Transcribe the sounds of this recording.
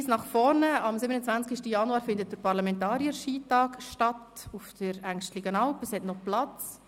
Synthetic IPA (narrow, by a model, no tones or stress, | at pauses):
snɑχfɔɾnəɑmsɪbənət͡sʋænt͡skiʃtəjɑnuɑːɾfɪndət̚d̥əɾpɑɾlɑmɛntɑːɾiəɾʃiːtɑːkʃtɑt | ufdəɾæŋʃtlɪɡənɑlpəshɛtnɔplɑt͡s